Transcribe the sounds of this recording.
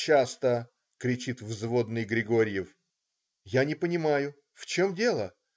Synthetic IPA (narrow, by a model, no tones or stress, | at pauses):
t͡ɕːast̪ə | kɾʲɪt͡ɕit̪vzvo̞d̪nɨjɡɾʲɪɡo̞ɾʲjɪf | janʲɪpənʲɪmajʊ | ft͡ɕomdʲe̞lˠə